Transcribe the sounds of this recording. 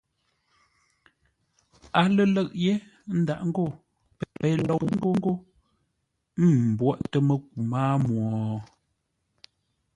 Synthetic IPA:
a˨lə˦lə˦˨ʔje˦ | n̩˦da˨ʔŋ̩˦ɡo˦˨ | pɛ˨pɛ˨˦lɔ˦˨ŋ̩˦ɡo˦ŋ̩˦ɡo˦ | m̩˦˨m̩˨bwɔ˦ʔtə˦mə˦k̚u˨maː˦mwɔ˨

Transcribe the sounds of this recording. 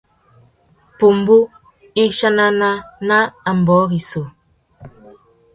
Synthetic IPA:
pu˨m˨bu˦ | i˦ʃa˦na˦na˦na˦a˨m̩˨bɔ˨˦ɣi˨so˨

